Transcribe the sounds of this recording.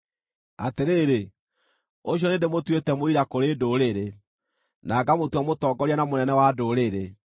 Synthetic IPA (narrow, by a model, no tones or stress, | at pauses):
ateɾeːɾe | oɕ̬jɔnendemotwetɛmoiɾakoɾedoːɾeɾe | naɡamotwamotɔːɡɔɾianamonɛnɛwadoːɾeɾe